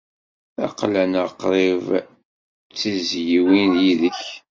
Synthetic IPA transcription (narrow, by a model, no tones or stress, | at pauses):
æ̰qlænəqɾˤɪv | t͡sːizjiwinjiðəç